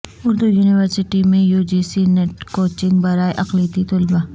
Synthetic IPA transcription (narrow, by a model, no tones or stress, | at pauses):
ʊɾd̪ujuːnɪʋəɾsɪʈimẽjuːd͡ʒiːsineʈkoːt͡ʃɪ̃ŋɡbɐɾaːeʔɐqliːt̪it̪ʊlba